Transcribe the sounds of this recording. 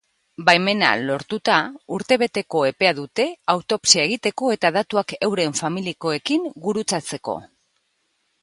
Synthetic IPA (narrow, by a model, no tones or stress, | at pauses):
bajme̞na̰lo̞ɾt̪ut̪auɾt̪e̞β̞e̞t̪e̞ko̞e̞pe̞aðut̪e̞awt̪o̞psie̞ɣ̞it̪e̞ko̞e̞t̪aðat̪uake̞wɾe̞ɱfamiliko̞e̞kiŋɡuɾut͡sat͡se̞ko̞̰